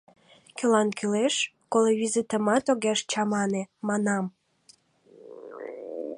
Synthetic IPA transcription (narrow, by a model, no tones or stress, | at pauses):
kəlɑnkyleʃkoleβʲizit̪əmɑt̪oɣeʃt͡ɕɑmɑnemɑnɑm